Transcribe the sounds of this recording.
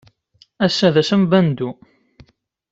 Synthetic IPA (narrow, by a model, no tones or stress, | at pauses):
æsːæðæsəmbænd̪u